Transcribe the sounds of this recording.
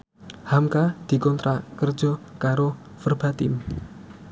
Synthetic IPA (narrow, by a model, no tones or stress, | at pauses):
hamkad̪̥i̤kɔnt̪ɾakərd̥ʒ̥ɔkaɾo | fərb̥a̤t̪ɪm